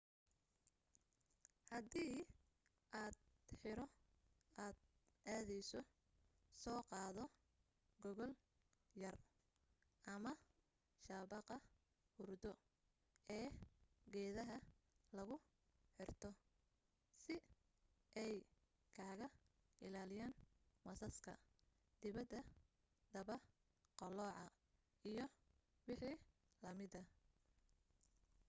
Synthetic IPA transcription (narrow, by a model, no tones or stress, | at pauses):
hɐd̪iː | ʔaːd̪ħɪɾɔ | aːd̪ | ʔaːðɛjsɔ | sɔːqɑːðɔ | ɡɔɣɔl | jɐr | ʔɐmɐ | ʃaːβɑqɐ | hʊrd̪ɔ | ɛːɡɛːðɐɦɐlɐɣʊ | ħɪrt̪ʰɔ | sɪ | ʔɛj | kʰaːɣɐ | ɪlaːlɪjaːnmɐsɐskʰɐ̰ | d̪̥ɪβɐd̪ːɐ | d̪ɐβɐ | qɑlɔːʕɑ | ijɞ | wɪħiː | lɐmɪd̪ɐ